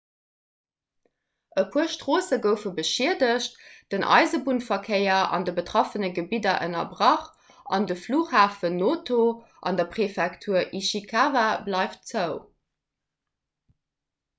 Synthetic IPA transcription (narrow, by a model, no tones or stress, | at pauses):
ʔəpʰuəɐʃtʁoːsəɡəʊfəbəʃiɐdəʃt̚d̥ənʔɑ̰ɪzəbunfɐkʰɜɪɐɑ̰ndəbətʁ̥ɔfənəɡəbidɐʔə̰nɐ̰bʀɑχ | ɑ̰ndəfluːχhaːfənoːtʰo | ʔɑ̰ndɐpχefɛktʰuːɐʔiʃikʰaːvablɑɪftt͡səʊ